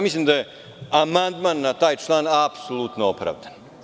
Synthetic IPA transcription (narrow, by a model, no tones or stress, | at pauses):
mislˠimd̪aje | amand̪manːat̪aːjt͡ʃlˠaːnapsolˠut̪noopɾa̰ːʋd̪an